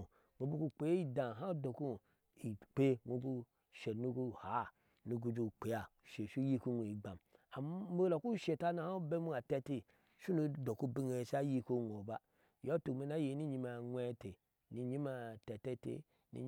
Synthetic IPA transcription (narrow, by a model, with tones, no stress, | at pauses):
ŋʷo˨bu˦ku˦k͡pe˨˦i˦dã˨ɦa˦do˨ku˦ | i˨k͡pe˦ŋʷo˨ku˦ | ʃe˨nu˦ku˦ha˨˦ | nu˨ɡu˧d͡ʒu˧˨k͡pe˨ja˨ʃe˨ʃu˦ji˦ku˦ŋʷo˨i˨ɡ͡ba˨ma˨m˦mo˦lo˨ku˦ʃe˨ta˦na˨ha˦u˦be˦mu˦a˨te˧ti˦ | ʃu˦nu˧do˨ku˦bi˦ŋe˨sa˦ji˦ko˦˨ŋʷ˨o˨ba˦ | jo˦tu˨me˨na˦je˨˦ni˦ɲi˧˦ma˨ŋʷe˦te˨ | ni˨ɲi˦ma˨te˨te˦tḛ˨ | nḭ˦ɲ˦